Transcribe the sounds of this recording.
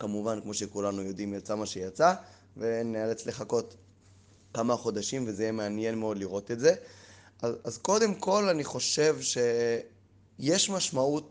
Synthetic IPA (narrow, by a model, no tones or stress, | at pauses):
kamuvankmo̞ʃe̞kulanujo̞dimjat͡samaʃejat͡sa | venealet͡sle̞χako̞t | kamaχo̞daʃimvezejemeanjenmeo̞d̪liʁo̞tetze̞ | azazko̞de̞mko̞laniχo̞ʃe̞vʃe̞ | je̞ʃmaʃmaut̚